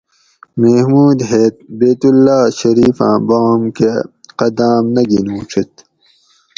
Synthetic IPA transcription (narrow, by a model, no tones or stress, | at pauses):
mehmuːd̪ɦeːt̪̚beːt̪ulːaːɕɐɾiːfã̰ːbaːmkeqɐd̪aːmnɐɡinũːʈ͡ʂʰit̪